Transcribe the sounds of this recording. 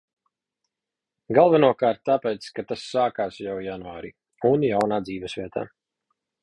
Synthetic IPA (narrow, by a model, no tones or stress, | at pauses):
ɡalˠvanuɔkaɾt̪̚ːapɛːt̪skat̪asːaːkaːsjawjanuaːɾḭ | unjawnaːd̪ziːvɛsvʲiɛt̪ʰa̰ː